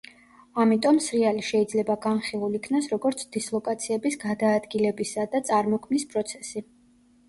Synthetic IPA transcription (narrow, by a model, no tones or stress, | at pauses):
amit̪ʼɔmsɾialiʃɛid̪zlɛbaɡanχilˠulikʰnasɾɔɡɔɾt̪sʰd̪̥islˠɔkʼat̪sʰiɛbisɡad̪aːd̪ɡilɛbisad̪at̪sʼaɾmɔkʰmnispʼɾɔt̪sʰɛ̥si